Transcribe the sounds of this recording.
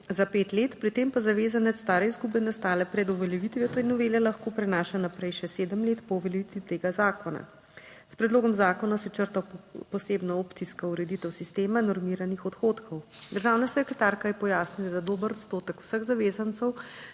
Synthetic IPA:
zapeːt̪leːt̪pɾit̪eːmpazaʋeːzanɛt̪ssːt̪aːɾɛizɡubɛnast̪aːlɛpɾɛd̪ɔʋɛljɛʋit̪ʋiɔt̪ɔnɔʋeːljɛlaxkoːpɾɛnaːʃanapɾɛjʃɛseːd̪əmleːt̪pɔwʋɛljɛʋit̪ʋit̪eːɡazaːkɔna̰ | spɾɛd̪loːɡɔmzaːkɔnasɛt͡ʃəɾt̪apɔseːbnaopt̪iskauɾɛd̪it̪ɛwsist̪eːmanɔɾmiːɾanixɔt̪xoːt̪kʰɔwd̪əɾʒaːwnasɛkɾɛt̪aːɾkajɛpɔjaːsnilad̪ad̪oːbəɾɔt̪st̪oːt̪əku̥wsəɣzaʋeːzant̪səw

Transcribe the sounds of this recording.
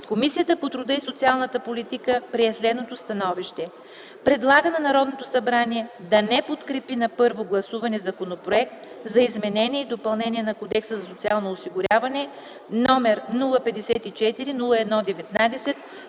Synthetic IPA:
komisijət̪əpot̪ɾʊd̪əisot̪sialˠnət̪əpolit̪ikəpɾiɛslɛd̪not̪ost̪ɐnɔviʃt̪ɛ | pɾɛd̪lˠaɡənɐnɐɾɔd̪not̪osɐbɾaniɛd̪ɐnɛpot̪kɾɛpinɐpɤɾvoɡlˠɐsuvɐnɛzɐkonopɾoɛk̚t̪ | zɐizmɛnɛniɛid̪opɐlˠnɛniɛnɐkod̪ɛksəzɐsot̪sialˠnoːsiɡʊɾʲavɐnɛ | nɔmɛɾnulˠəpɛd̪ɛsɛt̪it͡ʃɛt̪iɾinulˠəɛd̪nɔd̪ɛvɛt̪nad̪ɛsɛt̪̚

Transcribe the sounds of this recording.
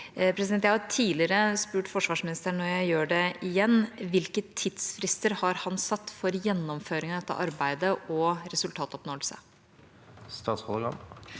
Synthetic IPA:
pʰɾɛsɪd̪ɛnt̪jæhɑɾt̪ʰiːlɪɾəspʉːʈfɔʂʋɑːʂmɪnɪst̪əɳːɔɾjæɪjøːɖɛɪjɛnːʋɪlkət̪ʰːɪd̪sfɾɪst̪əɾhɑɾhɑnsɑt̪ːfɔɾjɛnːɔmføːɾɪŋɑd̪ɛt̪ːə̰ʔɑɾbæɪd̪əʔɔɾɛsʉlt̪ʰɑːt̪ɔpnoːlsə̰ | st̪ɑːt̪sɔləɡɑ̰m

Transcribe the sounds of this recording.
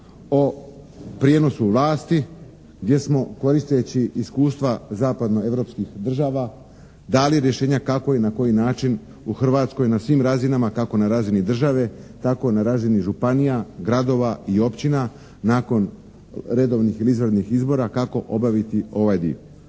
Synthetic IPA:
o̞ | pɾjeno̞suʋlˠaːst̪i | ɡd̪je̞smo̞ko̞ɾist̪e̞t͡ɕiːskuːst̪ʋazaːpad̪no̞e̞ʋɾo̞pskixd̪r̩ʒaːʋa | d̪aːlieɾje̞ʃe̞ːɲakako̞jenako̞jinaːt͡ʃin | uxr̩ʋaːt̪sko̞jnasʋimɾazinamakako̞naɾaːzinid̪r̩ʒaʋe̞t̪ako̞naɾaːziniʒupanijaɡɾad̪o̞ʋaio̞pt͡ɕina | naːko̞n | ɾe̞d̪o̞ʋnixilizʋɾd̪nixizbo̞ɾakako̞ʔo̞baʋit̪io̞ʋajd̪ḭo

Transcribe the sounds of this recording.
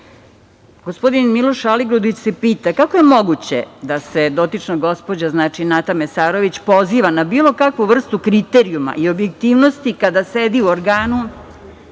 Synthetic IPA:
ɡospo̞d̪inmilo̞ʃaliɡɾud̪it͡ɕse̞piːt̪akakoje̞mo̞ɡut͡ɕe̞̰d̪ase̞d̪o̞t̪it͡ʂnoɡo̞spo̞d͡ʑaznaːt͡ʃinat̪amesaːɾo̞ʋit͡ɕpo̞ziːʋanabiːlˠo̞kakʋuʋr̩st̪ukɾit̪eɾiuma̰ʔiobje̞kt̪iːʋnost̪ikad̪ased̪iuoɾɡaːnu

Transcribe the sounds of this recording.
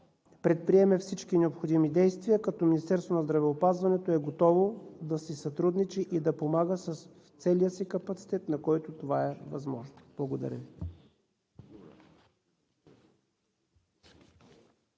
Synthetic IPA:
pɾɛt̪̚pɾiɛmɛfsit͡ʃkinɛopxod̪imid̪ɛjst̪vijəkɐt̪ɔminist̪ɛɾst̪vonɐzd̪ɾɐvɛopazvɐnɛt̪oɛɡot̪ɔvod̪ɐsisɐt̪ɾud̪nit͡ʃiʔid̪ɐpomaɡəsəsft̪sɛlijəsikɐpɐt̪si̥t̪ɛt̪nɐkɔjt̪ot̪ovaɛvɐzmɔʒnob̥lˠɐɡod̪ɐ̰ɾʲəvi

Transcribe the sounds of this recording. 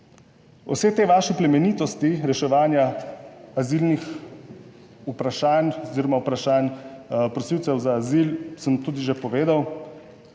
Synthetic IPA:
ɔ̰wseːt̪eːʋaːʃiplɛmɛniːt̪ɔst̪iɾɛʃɛʋaːnja | azilnix | upɾaʃaːnɔziːɾɔmaupɾaʃaːnpɾɔsiwt̪sɛwzaːzilsəmt̪uːd̪iʒepɔʋeːd̪aw

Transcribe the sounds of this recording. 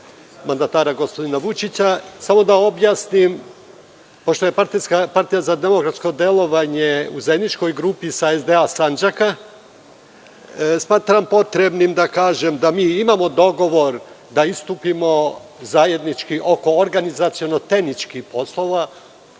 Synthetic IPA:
mand̪at̪aːɾaɡospo̞d̪inaʋut͡ʃit͡ɕasamo̞d̪ao̞bjaːsnim | po̞ʃt̪o̞je̞paɾt̪iskapaɾt̪ijazad̪e̞mo̞kɾat̪sko̞d̪e̞lˠo̞ʋaɲe̞uzemnit͡ʃko̞jɡɾupisaezd̪e̞asand͡ʒaka | smaːt̪ɾampo̞t̪ɾe̞bnimd̪akaːʒe̞md̪amiːimamo̞d̪o̞ɡo̞ʋo̞ɾ | d̪aist̪uːpimo̞zaje̞d̪nit͡ʃkiʔo̞ko̞ːɾɡanizat̪sio̞no̞t̪e̞hnit͡ʃkihpo̞slˠo̞ʋa

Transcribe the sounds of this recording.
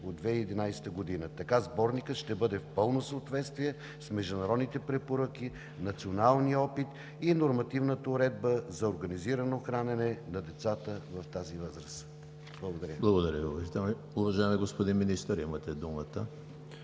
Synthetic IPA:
od̪vɛiːd̪inajsɛ̥t̪əɡod̪inət̪ɐkazbɔɾnikət̪ʃt̪ɛbɤd̪ɛfpɤlˠnosəot̪vɛt̪st̪vijɛ | smɛʒd̪ʊnɐɾɔd̪nit̪ɛpɾɛpoɾəki | nɐt̪sionalˠniəɔpit̪ | inoɾmɐt̪ivnət̪əʊɾɛd̪̚bəzɐoɾɡɐniziɾənoxɾanɛnɛnɐd̪ɛt̪sat̪əvɐft̪azivɤzɾəs | blˠɐɡod̪ɐɾʲəblˠɐɡod̪ɐɾʲəiɐt̪ | uvɐʒaɛmiɡospod̪inminist̪əɾḭmət̪ɛd̪umət̪ə

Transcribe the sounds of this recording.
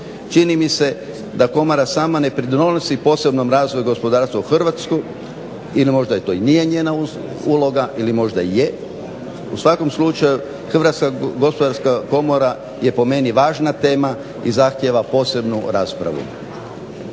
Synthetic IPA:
t͡ʃinimise̞ | d̪ako̞moɾasaːmane̞pɾid̪onosipo̞se̞bno̞mɾaːzʋo̞juɡo̞spo̞d̪aːɾst̪ʋauxr̩ʋat̪sko | ilimo̞ʒd̪ajet̪oinije̞ɲe̞ːnau | uːlˠo̞ɡaʔilimo̞ʒd̪aje | usʋako̞mslˠut͡ʃaju | xr̩ʋat̪skaɡo̞spod̪aɾskako̞moɾa | je̞po̞me̞niʋaːʒnat̪e̞ːma | izaxt̪je̞ʋapo̞se̞bnuɾaːspɾa̰ʋṵ

